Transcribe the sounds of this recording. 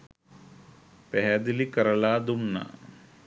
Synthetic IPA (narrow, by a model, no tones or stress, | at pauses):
peɦɐd̪ilikɐɾɐlaːd̪umnɐ̰